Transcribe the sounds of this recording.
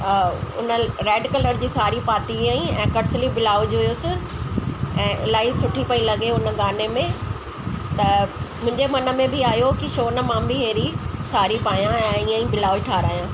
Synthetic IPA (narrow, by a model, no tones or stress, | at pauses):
ʊ̰nəɾɛːɖkɐləɾd͡ʑiːsaːɾipaːt̪ĩĩɛ̃ːkɐʈslibɪlaːʋʊd͡ʑɦjosɪ | ɛ̃ːʔɪ̰laːisʊʈʰipɐilɐɡeʊnə̆ɡaːnemẽ | t̪ɐmʊ̃ɦɪ̃ɲd͡ʑemɐnə̆mẽbɪaːjokiʃoːnəmãːmbɪɦeːɾisaːɾipaːjãɛ̃ːiːə̃ĩbɪlaːʋiʈʰaːɾaːjãː